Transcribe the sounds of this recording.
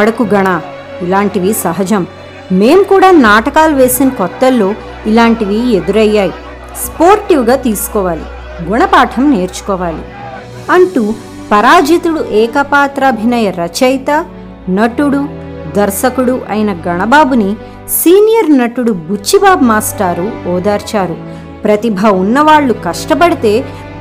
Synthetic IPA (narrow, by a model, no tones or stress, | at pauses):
ɐɽɐkuɡɐɳaː | ilaːɳʈiʋisɐɦɐd͡ʒɐm | meːmukuːɽaːnaːʈɐkaːluʋe̞ːsinɐkɔt̪ːɐlːo̞ː | ilaːɳʈiʋie̞d̪uɾɐjːaːji | spoːɾʈiʋɡaːt̪iːsu̥kɔːʋaːlḭ | ɡuɳɐpaːʈʰɐmne̞ːɾt͡ʃu̥kɔːʋaːlḭ | ɐɳʈu | pɐɾaːd͡ʒit̪uɽuʔɛːkɐpaːt̪ɾɐːbʱinɐjɐɾɐt͡ʃɐjt̪ɐ | nɐʈuɽu | d̪ɐɾsɐkuɽuʔɐ̰jinɐɡɐɳɐbaːbuni | siːnijɐɾnɐʈuɽubut͡ʃːibaːbmaːsʈaːɾuɔːd̪aːɾt͡ʃaːɾu | pɾɐt̪ibʱɐunːɐʋaːɭːukɐʂʈɐp̬ɐɽit̪e̞ː